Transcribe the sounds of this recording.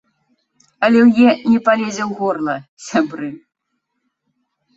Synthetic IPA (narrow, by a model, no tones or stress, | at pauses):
ɐlʲɛwjɛnʲɛpalʲed͡zʲɛwɣɔrlˠɐsʲabɾɨ